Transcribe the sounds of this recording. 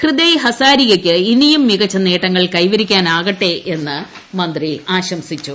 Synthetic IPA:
krɨd̪ɐjɦɐsaːɾiɣɐkʲːɨinijumːiɣɐt͡ɕːɐneːʈːɐŋːɐɭkɐjʋɐɾikʲːaːnaːɣɐʈːeʔe̞nːɨ | mɐnd̪riaːɕɐmsit͡ɕːu

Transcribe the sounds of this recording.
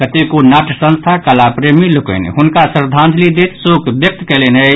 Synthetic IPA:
kət̪ekonaʈsə̃nst̪ʰakalapɾemilukə̰nḭɦʊnkasɾd̪ʱãnt̪ʰlid̪et̪sokbjək̚t̪kɛlenə

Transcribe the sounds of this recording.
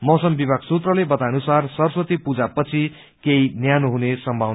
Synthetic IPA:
mʌsʌmbibʱaɡsut̪rʌlebʌt̪anusarsʌrsʌt̪ipud͡zapʌt͡sʰi | keinjanuɦunesʌmbʱaw

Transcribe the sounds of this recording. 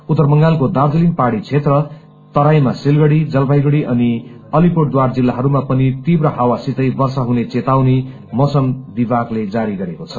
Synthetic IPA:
ut̪ːʌrmʌŋɡalkod̪ard̪elinpaɽit͡sʰet̪rʌ | t̪ʌɾajmasilɡʌɽid͡zʌlbajɡʌɽiʔʌni | ʌlipoʈ̚d̪ward͡zilːaɦʌɾumapʌnit̪ibrʌɦawasit̪ʌjbʌrsaɦunet͡set̪awni | mʌsʌmd̪ibakled͡zaɾiɡʌɾekot͡sʰʌ

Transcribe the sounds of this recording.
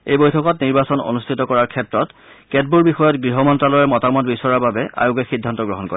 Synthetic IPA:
ejbojtʰɔkɔtniɹbasɔno̰nustʰitɔkɔɹaɹkʰɛp̚tɹɔt | kɛt̚buɹbixɔjɔtɡɹiɦɔmɔntɹalɔjɛɹmɔtamɔtbisɔɹaɹbabɛa̰joɡɛxidʱːantɔɡɹɔɦɔnkɔ̰ɹ

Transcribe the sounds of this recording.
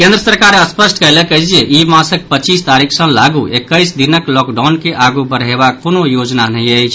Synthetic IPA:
kẽnd̪ɾəsəɾkaɾəspəsʈkəjlekəɪd͡ʒieʔimãsək̚pət͡ʃist̪aɾikʰsə̃laɡuʔekːəjsd̪inəklɔkɖawnkeʔaɡubəɾɦeβakːonojod͡ʒnanəijəjt͡ʃʰ

